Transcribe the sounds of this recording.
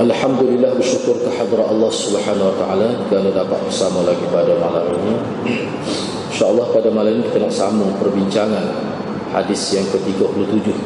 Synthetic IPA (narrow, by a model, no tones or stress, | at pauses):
ʔalħamd̪ulilːahbərʃukʊrkaħad̪ɾaɑlːɑhsubəħanawat̪aʔa̰laikanadapa̰t̪̚bərsamalaɡipadamalamḭni | inʃaʔəlˠːɑhpadamalaminikk̪ənak̚samapərbiɲt͡ʃaŋan | ha̰dɪsjaŋkət̪iɡapulut̪ud͡ʒʊh